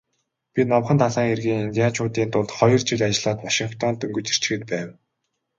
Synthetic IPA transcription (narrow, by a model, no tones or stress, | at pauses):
pʲinɔwχə̆nt̪ʰaɮaːŋerɣiːŋint̪iat͡ɕʰʊːt̪iːnt̪ʊɮt̪χɔjɞ̆rt͡ɕĭɮʲat͡ɕɪ̆ɮaːt̪waʃiŋkt̪ʰɔnt̪ɵŋɡɵ̆t͡ɕi̥r̥t͡ɕ̆xɘ̆t̪̚pæːw